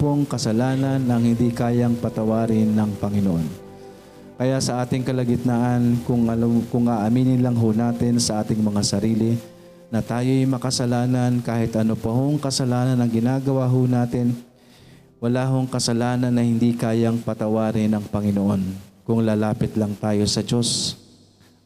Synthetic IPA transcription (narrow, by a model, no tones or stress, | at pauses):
poŋkɐsɐlaːnɐnɐŋhɪnd̪ikaːjɐŋpɐt̪ɐwaːɾɪnːɐŋpɐŋɪnoʔo̞n | kɐjaʔsɐʔaːt̪ɪŋkɐlɐɡɪt̪̚naʔɐnkʊŋkʊŋʔaʔɐmiːnɪnlɐŋɦonaːt̪ɪnsɐʔaːt̪ɪŋmɐŋasɐɾiːlɪ | nɐt̪aːjo̞jmɐkɐsɐlaːnɐnkaːhɪt̪ʔɐnopɐhoŋkɐsɐlaːnɐnɐŋɡɪnaːɡɐwaɦonaːt̪ɪn | wɐlaːɦoŋkɐsɐlaːnɐnːɐhɪnd̪ikaːjɐŋpɐt̪ɐwaːɾɪnɐŋpɐŋɪnoʔo̞nkʊŋlaːlaːpɪt̪lɐŋt̪aːjo̞sɐd͡ʒo̞s